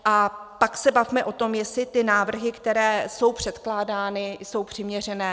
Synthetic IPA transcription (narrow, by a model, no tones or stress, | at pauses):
ʔapaksɛbavmɛʔo̞t̪o̞mjɛsɪt̪ɪnaːvr̩ɦɪkt̪ɛɾɛːso̞wpr̥ɛt̪klaːdaːnɪso̞wpr̥ɪmɲɛrɛnɛː